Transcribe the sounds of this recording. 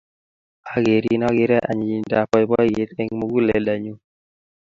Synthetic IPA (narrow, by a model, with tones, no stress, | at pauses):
a˨ɡe˨ɾi˦nɔ˦ɡɪ˦ɾɛ˦ʔa̰˨ɲi˨i˨da˨pɔ˦ɪ˨˦bɔ˦je˦t̪e˦ŋmo˦ɡu˦lɛ̰˨da˨ɲu˦